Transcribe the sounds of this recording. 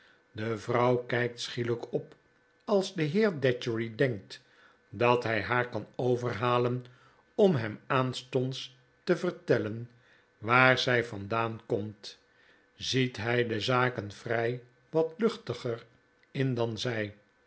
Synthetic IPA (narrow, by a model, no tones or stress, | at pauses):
dəvrʌwkɛjk̚tsχiləkɔp | ɑlˠzdəɦɪːɹdɛt͡ʃəɹidɛŋk̚t | dɑtɦɛjɦaːɹkɑnowvərɦaːlən | ɔmɦɛmaːnstɔnts | təvəɹtɛlən | ʋaːɹzɛjfɑndaːnkɔmt | zitɦɛjdəzaːkənvrɛj | ʋɑtlɵχtəχər | ɪndɑnzɛj